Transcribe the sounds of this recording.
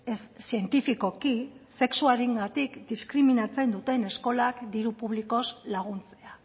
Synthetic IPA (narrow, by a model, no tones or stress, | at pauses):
essie̞nt̪ifiko̞kise̞ksuaɾiŋɡat̪ikd̪iskɾiminat͡se̞nd̪ut̪e̞ne̞sko̞lakd̪iɾupuβ̞liko̞zlaɣunt͡se̞a